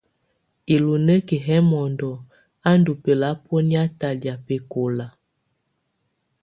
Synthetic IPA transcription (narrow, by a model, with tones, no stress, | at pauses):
i˨lu˨nə˦ki˨ɦɛ˦mɔ˨ndɔ˨ | a˦n˦du˨pe˨la˨˦pɔ˦ni˦a˦ta˨lja˨pe˨ko˨la˨